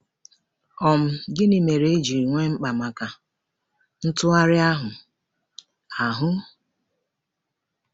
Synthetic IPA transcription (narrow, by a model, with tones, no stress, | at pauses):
ɔ˨m̩˦ɡɪ˦ni˨me˨ɾe˨e˦d͡ʒi˨ɾi˨ŋʷe˦ŋ͡m̩˦k͡pa˨ma˨ka˨ | n̩˦tʊ˦a˦ɾɪ˦a˦ɦʊ˨ | a˨ɦʊ˦